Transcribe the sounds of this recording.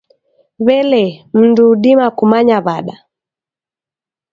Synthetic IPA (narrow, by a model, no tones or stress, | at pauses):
βɛlɛm̩nduːɗimakumaɲaβaɗa